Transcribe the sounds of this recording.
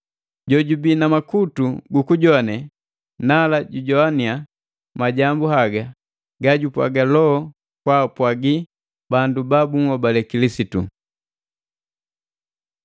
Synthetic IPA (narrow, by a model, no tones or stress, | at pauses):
ɟɔɟubinamakutuɡukuɟɔanɛ | nalaɟuɟɔania | maɟambuhaɡa | ɡaɟupwa̰ɡalɔɔ | kwapwaɡi | bandubabuŋ̩ɔbalɛkilisitṵ